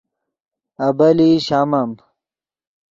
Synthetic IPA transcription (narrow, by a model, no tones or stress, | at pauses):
ɐbɐliɕamɐm